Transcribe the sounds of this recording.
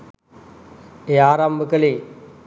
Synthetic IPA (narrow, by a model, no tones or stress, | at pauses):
eːaːɾambʱəkəleː